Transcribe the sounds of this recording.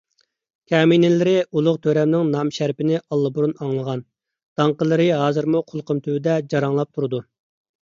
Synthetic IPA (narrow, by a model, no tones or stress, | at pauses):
kʲʰɛːminɪlɪɾɪulˠʊqt̪ʰøɾɛmnɪŋnɑmʃæɾpɪnɪʔɑlˠːɨbuɾunɑŋlˠəʁɑn | d̪̥ɑŋqəlˠɨɾɨɦɑːzɨɾmuqʰʊlˠqʰəmt̪ʰywɪd̪ɛd͡ʒɑɾɑŋlˠɑp̚t̪ʰuɾɨd̪u